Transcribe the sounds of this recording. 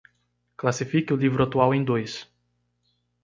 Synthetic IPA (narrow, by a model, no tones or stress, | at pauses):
klasifikɪʊlivɾʊat̪uawẽj̃d̪ojs